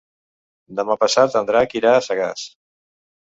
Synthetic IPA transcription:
d̪əmapəsat̪ənd̪ɾakiɾaːsəɣas

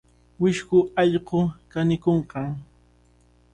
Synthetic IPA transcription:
wɪʃkʊɑʎqokanɪkoɴqɑŋ

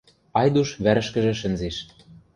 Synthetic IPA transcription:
ɑjd̪uʃβæɾɘ̆ʃkɘ̆ʒɘ̆ʃ̬ɘ̆nzeʃ

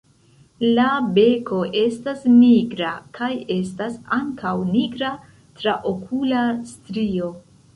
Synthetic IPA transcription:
labe̞ko̞ʔe̞stasniɡɾakʰaje̞stasaŋkawniɡɾa | tɾaʔokʰulastɾio̞

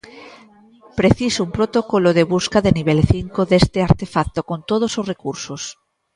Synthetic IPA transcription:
pɾeθisoumpɾot̪okoloðeβ̞uskaðeniβ̞elθiŋkoðest̪eaɾt̪efak̚t̪okont̪oð̞ososrekuɾsos

